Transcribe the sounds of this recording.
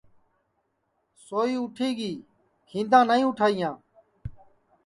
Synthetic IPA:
soːiːʊʈʰiːɡiː | hĩːnd̪ãːnəĩːʊʈʰaːɪjãː

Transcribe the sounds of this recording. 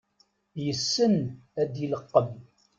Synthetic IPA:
jəsːənæd̪iləqːəm

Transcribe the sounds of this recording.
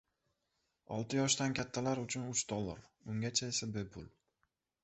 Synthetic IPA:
ɒ̰lˠt̪ʰɪjɒʃd̪ankʲat̪ʰːalaɾʊt͡ʃʰʊnʊt͡ʃd̪̥olˠːa̰ɾ | ʊŋɡʲat͡ʃʰaesabe̞pʰʊl

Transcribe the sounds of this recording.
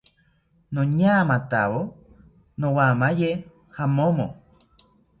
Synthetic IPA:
nõɲamãt̪a̰βo | nõwamãje | hamõmõ

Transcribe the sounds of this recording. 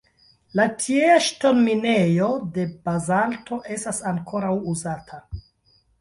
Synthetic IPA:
latʰieaʃto̞nmine̞jo̞de̞bazalto̞ʔe̞stasaŋkʰo̞ɾawuzatʰa

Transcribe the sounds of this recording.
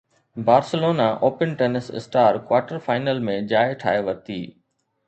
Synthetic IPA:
baːɾsəloːnaʔoːpənʈeːnɪsɪ̰sʈaːɾkwaːɾʈəɾfaːɪnəlmẽd͡ʑaːeʈʰa̰ːeʋɐɾt̪iː

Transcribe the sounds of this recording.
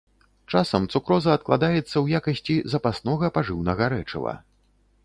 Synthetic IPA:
t͡ʂasɐmt̪sukɾɔzɐːt̪̚klˠa̰d̪ajɛt̪sːɐwjakɐsʲt͡sʲizɐpasnɔɣɐpaʐɨwnɐɣɐɾɛt͡ʂɨ̰vɐ̰

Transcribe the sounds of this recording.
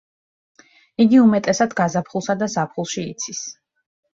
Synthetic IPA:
iɡiumɛt̪ʼɛsad̪ɡazapʰχulˠsad̪azapʰχulˠʃiːt̪sʰis

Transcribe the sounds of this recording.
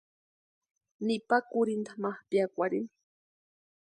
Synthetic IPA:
nipakʊɾind̪amahpjakʷaɾin

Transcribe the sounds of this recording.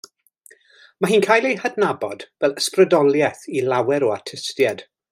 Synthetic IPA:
maɦiːnkʰaːjlˠejhadnabɔd̥vɛlˠəsprədɔlˠjɛθilawɛɾoatʰəstjad̥

